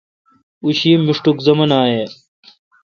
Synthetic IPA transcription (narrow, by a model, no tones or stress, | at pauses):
uɕiːmiʂʈukzɐmɐnaːjeː